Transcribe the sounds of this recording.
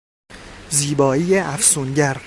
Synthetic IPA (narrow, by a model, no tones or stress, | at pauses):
ziːbɒːiːjeʔæfsuːnɟæɾ